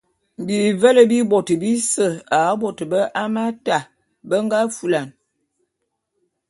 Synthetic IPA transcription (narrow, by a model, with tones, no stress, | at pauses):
bi˨və˦lə˦bi˦bɔ˨tə˨bi˦sə˨a˨˦bɔ˨tə˨bə˦ʔa˦ma˦ta˨ | bə˦ŋɡa˦fu˨la˨n